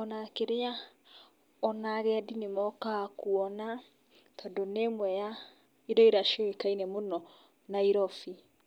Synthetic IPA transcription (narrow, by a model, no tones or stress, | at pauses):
ɔnakeɾea | ɔnaɣɛadinemɔkakuɔna | t̪ʰɔdonemwɛja | iɾɔiɾaʃɔekainɛmonɔ | naiɾɔfi